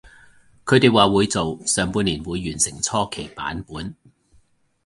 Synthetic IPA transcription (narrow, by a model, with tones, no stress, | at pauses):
kʰɵ˨˧ɥt̪e˨jwaː˨wuː˨˧jt͡so˨wsœː˨˧ŋpuː˧nliː˨˩nwuː˨˧jːyː˨˩nsɪ˨˩ŋt͡sʰɔː˥kʰe˨˩jpa̰ː˨˥npuː˨˥n